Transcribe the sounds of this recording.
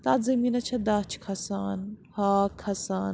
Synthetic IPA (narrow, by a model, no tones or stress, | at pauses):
t̪aːt̪zɐminɐt͡ʃʰɐd̪aːt͡ʃʰkʰɐsaːnhaːkʰɐsaːn